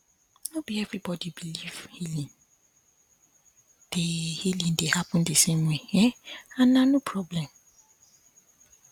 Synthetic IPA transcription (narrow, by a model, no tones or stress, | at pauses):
nobiɛvɾibɔdibiliv̥hilĩn | d̥ehilĩndehapɔ̃ndesẽmweɛãnːãnopʰɹɔblɛ̃m